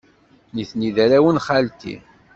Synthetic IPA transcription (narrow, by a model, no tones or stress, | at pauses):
niθniðæɾæwənχalt̪ḭ